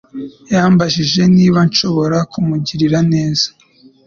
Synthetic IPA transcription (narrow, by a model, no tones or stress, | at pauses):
jaːmbaʃiʒe̞niːβanʃo̞βo̞ɾakumuɟiɾiɾane̞ːzḁ